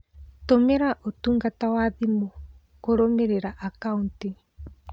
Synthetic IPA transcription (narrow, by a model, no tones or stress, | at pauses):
tomeɾaʔotuːŋɡatawaːðimo | koɾomeɾeɾaʔakaunti